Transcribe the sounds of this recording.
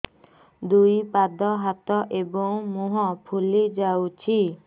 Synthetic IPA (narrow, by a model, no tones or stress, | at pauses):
d̪ujpad̪ɔɦat̪ɔʔebɔŋmuɦɔpʰulid͡ʒawt͡ʃʰi